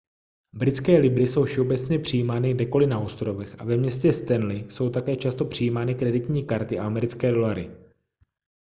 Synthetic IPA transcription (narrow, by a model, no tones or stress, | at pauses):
bɾɪt͡skɛːlɪbɾɪso̞wfʃɛo̞bɛt͡sɲɛpr̥ɪjiːmaːnɪɡdɛko̞lɪnaost̪ɾo̞vɛxʔa̰vɛmɲɛscɛst̪ɛnlɪso̞wt̪akɛːt͡ʃast̪o̞pr̝̥ɪjiːmaːnɪkɾɛdɪt̪ɲiːkaɾt̪ɪaamɛɾɪt͡skɛːdo̞laɾɪ